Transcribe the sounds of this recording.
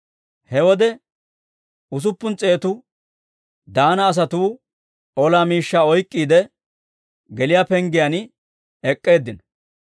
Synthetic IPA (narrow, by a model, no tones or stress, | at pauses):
hɛwɔd̪ɛ | ʊs̬ʊpːʊnt͡sʼe̞ːt̪ʊ | d̪aːnɐːs̬ɐt̪uː | ɔlaːmiːʃːaːɔjkʼːiːd̪ɛ | ɡɛlɪjaːpɛŋɡɪjan | ɛkʼːe̞ːd̪ːɪnɔ